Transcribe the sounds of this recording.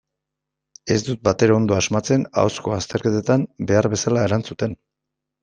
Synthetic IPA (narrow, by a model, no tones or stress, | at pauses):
e̞zd̪ut̪̚bat̪e̞ɾao̞nd̪o̞azmat͡se̞na̰wsko̞ast̪e̞ɾke̞t̪et̪ambe̞aɾβe̞salaeɾant͡sut̪e̞n